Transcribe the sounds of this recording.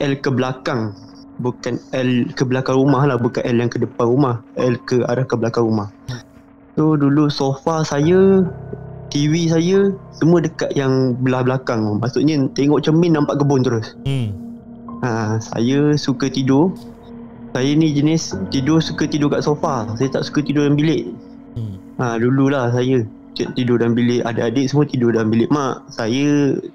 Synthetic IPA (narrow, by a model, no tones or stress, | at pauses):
ʔɛlkəblakaŋ | bukanɛlkəbəlakaŋɾumahlahbukanʔɛljaŋkədəpanɾumahɛlkəa̰ɾahkəbəlakaŋɾumah | sodulusofasajə | t̪iwisajəsəmuədəkaʔ̪jaŋbəlahbəlakaŋmaʔsuʔɲət̪eŋɔʔt͡ʃəmɪnːampaʔkəbʊnt̪əɾʊs | asa̰jəsukət̪idʊ | sajənid͡ʒənɪst̪idʊsukət̪idʊkaʔsofasajət̪a̰ʔsu̥kət̪idʊdanbilɪʔ | ədululahs̬ajə | t̪idʊdanbilɪʔadaʔadəʔsəmuət̪idʊdambilɪʔmaʔsajə